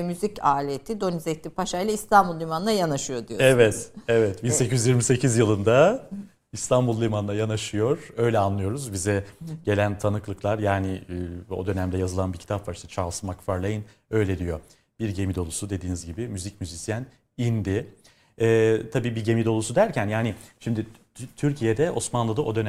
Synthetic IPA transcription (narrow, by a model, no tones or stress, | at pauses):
myzicaːlʲet̪ʰid̪o̞nizet̪lʲipʰaʃajlˠaist̪ʰanbulˠːʲimanlˠajanaʃɯjo̞d̪ijoɛvɛt̪ɛvɛt̪binsecʰyjyzjiɾmise̞cʰizjɯlˠɯnd̪a | ist̪ʰanbulˠːʲimanˠajanaʃɯjo̞ɾ̥ø̞jlʲɛanlˠɯjo̞ɾuzbizɛɟe̞lʲænt̪ʰanɯklˠɯklˠaɾjaːnɪo̞̰d̪ø̞næmd̪ɛjazɯlˠanbiɾcʰit̪apvaɾiʃt̪t͡ʃʰalˠsɯmakfaɾlʲˠajɯn | ø̞jlʲed̪ijo̞ | b̥iɾɟe̞mid̪o̞lˠusud̪e̞d̪iːnizɟibimyzic̚myzisijæn | ind̪ɪ | ɛːt̪ʰabiːbiɟe̞mid̪o̞lˠusud̪æɾcʰænjaːnɪʃimd̪ɪ | t̪ʰyɾcʰijed̪ɛʔo̞smanlˠɯd̪aʔo̞d̪ø̞næ